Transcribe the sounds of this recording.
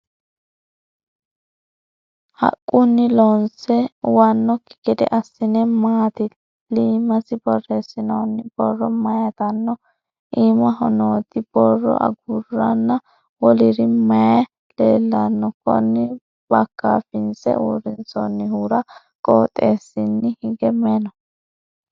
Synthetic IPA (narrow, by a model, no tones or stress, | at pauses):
hɐ̰kʼːʊnːɪlonsɛwɐnːɔkɪ̥ɡɛd̪ɛ̰ʔɐsːɪnɛmaːt̪ɪ | liːmɐsɪbɔreːsːɪnoːnːɪb̥ɔrːɔmɐjɐt̪ɐnːɔ | ʔiːmɐɦɔ̰noːt̪ɪb̥ɔrːɔ̰ʔɐ̰ɡurːɐnːɐ | wɔlɪɾɪmɐjɐ | leːlːɐnːɔkɔ̰nːɪ | b̥ɐkːa̰ːfɪnsɛ̰uːɾɪnt͡sɔnːɪhuːɾɐ | kʼo̰ːt̪ʼːeːsːɪnːɪhɪɡɛmɛnɔ